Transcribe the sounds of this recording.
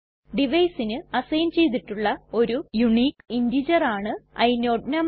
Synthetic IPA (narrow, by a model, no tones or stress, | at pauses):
ɖiʋɐjsinɨɐsɐjɐnt͡ɕe̞jt̪̬ːiʈːuɭːɐo̞ɾujuɳiːkindid͡ʑɐraːɳɨɐ̰jnoːɖnɐm